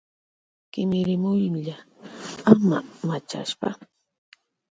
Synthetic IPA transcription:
kɪmɪɾɪmʊjʎa | amamat͡ʃa̰ʃpa̰

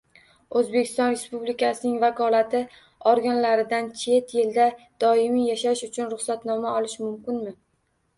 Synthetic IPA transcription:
ɵzbe̞kʲʰɪ̥st̪ɒnɾe̞spublɪkʲʰasɪnɪŋvakʰɒlat̪ʰɪ | ɒɾɡʲanlaɾɪd̪ant͡ʃʰe̞t̪jeld̪a | d̪̥ɒɪmijaʃaɪʃʊt͡ʃʰʊnɾʊχsat̪nɒmaɒlɪʃmʊmkʲɪnmɪ

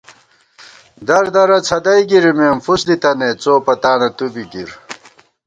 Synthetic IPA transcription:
d̪ɐɾd̪ɐɾɐt͡sʰɐd̪ɐjɡiɾimeːmfusd̪it̪ɐnet͡soːpɐt̪aːnɐt̪ubiɡiɾ

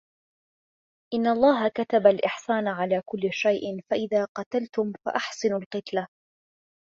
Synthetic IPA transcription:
ʔɪnːaʔɑlˤːɑːɦakat̪abalʔɪħsaːnʕalaːkʊlːʃajʔfaʔɪðaːqɑt̪alt̪ʊmfa̰ʔaħsɪnalqɨt̪la

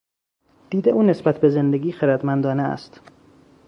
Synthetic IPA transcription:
d̪̥iːd̪eʔuːne̞sbæt̪ʰbe̞ze̞nd̪eɡʲiːxeɾæd̪mænd̪ɒːneæ̰st̪

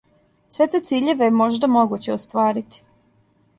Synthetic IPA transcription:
sʋet̪et̪siːʎe̞ʋejemo̞ʒd̪amoɡut͡ɕeost̪ʋaːɾit̪i̥

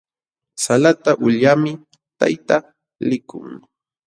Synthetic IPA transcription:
salat̪aʔʊʎjamɪ | t̪a̰jt̪a | lɪkʊ̰ŋ

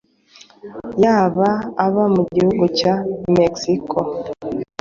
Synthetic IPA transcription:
jaːβaːβamuɟihuɡucameksikʰo

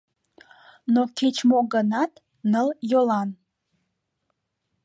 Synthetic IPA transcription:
nokʲʰet͡ʃʰmoɡanatʼ | nɨljolan

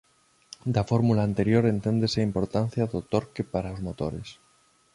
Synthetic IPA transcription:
d̪afo̞ɾmulaːnt̪e̞ɾjo̞ɾe̞nt̪e̞nd̪eseimpo̞ɾt̪an̟θjaðot̪o̞ɾkepaɾaozmo̞t̪o̰ɾḛs

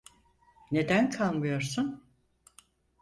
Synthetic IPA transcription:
ne̞d̪ænkʰalˠmɯjoɾsun

